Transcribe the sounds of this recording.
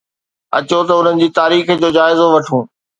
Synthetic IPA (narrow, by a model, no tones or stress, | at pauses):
ɐ̰t͡ɕot̪ɐʊn̤ənɪ̆d͡ʑiːt̪aːɾiːx̆d͡ʑoːd͡ʑaːɪzoʋɐʈʰũː